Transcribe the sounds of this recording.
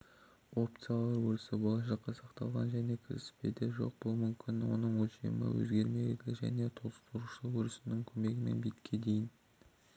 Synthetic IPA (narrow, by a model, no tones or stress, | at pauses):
o̞p̚t̪sɨjalˠɑɾwɵɾɪsɪbolˠɑʃɑqːɑsɑqt̪ɑlˠʁɑ̰nʒæne̞kʲʰɪɾɪsɪ̥pe̞̰d̪ɪʒo̞̰q̚b̥ʊlˠmʏmkʲʰɪnwo̞̰nəɴwɵlʃe̞̰mɪ̰wɵ̰zɡʲe̞ɾme̞d̪ɪlʲɪʒæ̰ne̞t̪ʰolˠəst̪ʰʊɾuʃəwɵɾɪsɪnɪŋkʲʰɵmeɡʲɪme̞̰nbit̪kʲʰe̞d̪e̞jɪn